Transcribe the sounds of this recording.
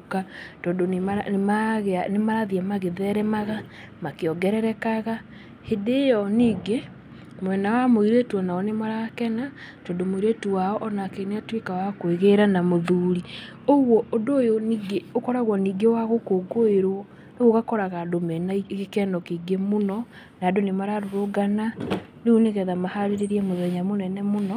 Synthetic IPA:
katɔːndonemamaɣanemaɾaðiɛmaɣeðɛɾɛmaɣa | makeɔɡɛɾɛɾɛkaɣa | hedejɔniːɡe | mwɛnawamoiɾetwɔnaɔnemaɾakɛna | tɔːndomoiɾetuwaɔʔɔnakeneatwekawakoeɣeɾanamoðuɾi | oɣwɔodoːjoniɡeokɔɾaɣwɔniɡewaɣokoɡoeɾwɔ | neɣoɣakɔɾaɣadomɛnaiɣekɛnɔkiɡemonɔ | nadonemaɾaɾoɾoɡananeuneɣɛðamahaɾeɾeɾiɛmoðɛɲamonɛnɛmonɔ

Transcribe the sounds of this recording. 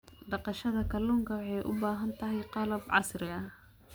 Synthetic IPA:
ɖɑqɑʃɐðɐkʰɐlːuːŋkʰɐwɑħɑjʔʊ̰baːɦɐnt̪ʰɐɦɛjqɑlɐbʕɑsrɪɐh

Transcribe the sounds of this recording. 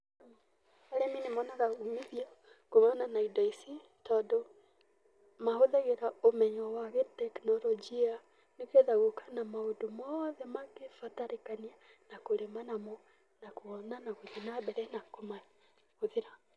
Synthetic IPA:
aɾɛminemɔnaðaɣumiðiɔ | komananaidɔisi | tɔːdɔ | mahoðaɣeɾaomɛɲɔwaɣetɛknɔɾɔd͡ʒia | nekeðaɣokʰḁnamaodomɔðɛmaɣefataɾekanianakoɾemanamɔ | nakoɔnanaɣoðenabɛɾɛnakoma | ɣoðeɾa

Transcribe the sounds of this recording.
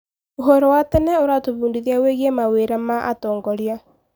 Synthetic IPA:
oɦoɾowatɛnɛoɾatoβuːndiðjaweɣemaweɾamaʔatɔːŋɡɔɾia

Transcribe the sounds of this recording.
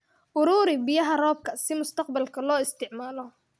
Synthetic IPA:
ʔʊɾuːɾɪbɪjɐɦɐrɔːb̚kʰɐsɪmʊst̪ɑq̚bɐlkʰɐlɔːɪst̪ʰɪʕmaːlɔ

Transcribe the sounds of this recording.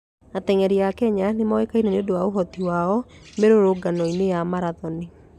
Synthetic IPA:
atɛŋɛɾiakɛɲanemawekainaneodowaoɦɔtiwaɔmeɾoɾoɡanɔinejamaɾaðɔni

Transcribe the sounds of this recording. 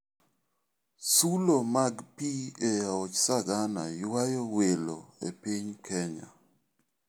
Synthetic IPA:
sulomaɡpiejaɔt͡ʃsaɡana̰jwajowelo̰ḛpiɲkʰɛɲa̰

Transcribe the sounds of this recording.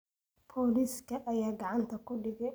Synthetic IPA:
bʰɔːliːskʰɐʔɐjaːɡɑʕɑnt̪ʰɐkʰʊɖɪɣɛ

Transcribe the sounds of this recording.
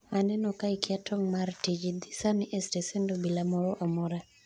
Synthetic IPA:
manɛnɔkaikɪatɔŋmartid͡ʒid̪isaniʔɛstesendobilamɔɾɔʔamɔɾa

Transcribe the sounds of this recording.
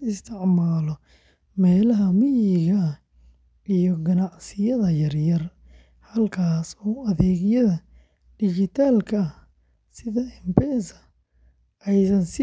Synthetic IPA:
ɪst̪ʰɪʕmaːlɔ | mɛːlɐɦɐmɪjɪɣɐ | ijɔɡɐnɑʕsɪjɐðɐjɐrjɐr | hɐlkʰaːsɔːɐðɛːɣjɐðɐ | ɖ̥ɪt͡ʃɪt̪ʰaːlkʰɐɐ | sɪðɐɪmpɛːsɐ | ʔɛjsɐnsɪ

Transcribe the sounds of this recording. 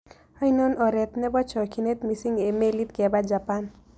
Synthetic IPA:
ajnɔnɔɾet̪nebɔt͡ʃʰɔkʰinet̪misiŋɡemelit̪kebad͡ʒapan

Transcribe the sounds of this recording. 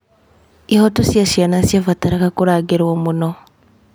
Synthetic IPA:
ihotusjasianasjavataɾakakuɾaːɡiɾwoːmuno

